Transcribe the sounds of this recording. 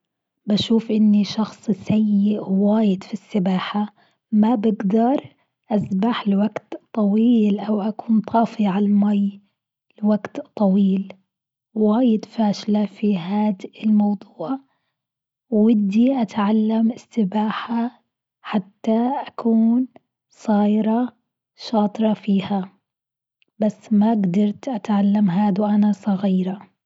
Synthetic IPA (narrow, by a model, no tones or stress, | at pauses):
baʃuːfʔɪnːiʃɑxsˤsajːɪʔwaːjɪd̪fisːɪbaːħa | mabɪɡd̪ɑɾˤ | ʔasbaħlwaɡt̪t̪ˤːɑwiːlʔawʔakuːnt̪ˤʰɑːfiʕalamaj | lwaɡt̪t̪ˤːɑwiːl | waːjɪd̪faːʃlafiɦaːd̪ɪlmɑwd̪ˤuːʕ | wɪd̪iʔat̪ʕalːamɪsːɪbaːħa | ħat̪ːaʔakʰuːn | sˤɑːjɾˤɑ | ʃɑːt̪ˤɾˤɑfiːha | basːmaɡd̪ɑɾˤt̪ʔat̪ʕalːamɦaːd̪wʔanasˤɑɣiːɾa